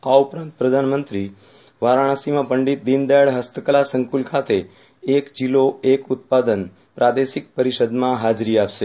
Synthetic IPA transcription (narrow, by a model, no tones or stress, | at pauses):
aupɾãnt̪̚pɾəd̪ʱanmənt̪ɾi | ʋaɾaɽ̃asimãpəɳɖit̪̚d̪ind̪aəɭɦəst̪əkəlasəŋkulkʰat̪e | ekd͡ʒiloekut̪̚pad̪ən | pɾad̪eʃik̚pəɾiʃəd̪mãɦad͡ʒɾiapʃe